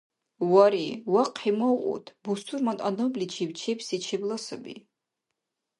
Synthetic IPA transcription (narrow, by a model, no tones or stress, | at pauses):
waɾiwaqħimɔwʔʼṵt̪ʰbust̪ʰuɾmant̪ʼanɔblit͡ʃʰibt͡ʃʰɛpsit͡ʃʰiblasəbḭ